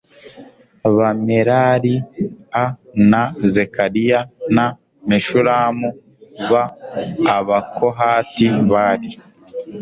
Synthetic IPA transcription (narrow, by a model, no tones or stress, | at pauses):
aβameɾaɾianazekaɾijana | meʃuɾaːmu | βaː | βakʰoɦaːtiβaːɾi